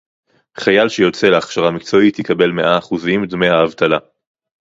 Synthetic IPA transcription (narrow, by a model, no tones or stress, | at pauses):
χajalʃejo̞t͡se̞leaχʃaʁamikt͡so̞it̪hikabe̞lme̞ʔaːχuzimd̪mejaːvt̪ala